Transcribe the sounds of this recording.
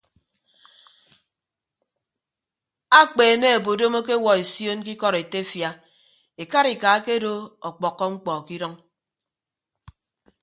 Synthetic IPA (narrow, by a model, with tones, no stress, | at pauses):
a˦k͡peː˨ne˦e˨bo˨do˦mo˦k̬e˦wɔ˨e˨sjo˦n˦k̬i˦kɔ˦ɾe˨te˦fja˦ | e˨ka˦ɾi˨ka˨˦ke˦do˦ɔ˨k͡pɔ˨kːɔ˦ŋ͡m̩˦k͡pɔ˨ki˦ɾɔ˦ŋ